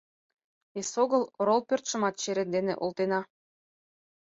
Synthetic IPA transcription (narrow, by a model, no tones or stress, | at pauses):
esoɣɤ̆loɾolˠpørt̪ʃɤ̆mɑt̪̚t͡ɕeɾend̪enḛʔolˠt̪enɑ